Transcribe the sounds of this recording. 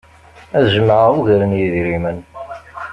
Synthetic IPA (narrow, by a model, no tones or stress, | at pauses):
æzəməʕəʁuʝɾənjiðɾimən